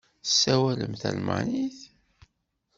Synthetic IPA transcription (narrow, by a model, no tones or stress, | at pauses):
sːæwæləmθæ̰lma̰niθ